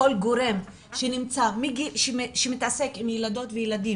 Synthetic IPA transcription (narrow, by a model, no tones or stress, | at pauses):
o̞lɡoɾe̞m | ʃenimt͡samiɡiʃʃemit̪ase̞kimjelad̪o̞t̪vejelad̪im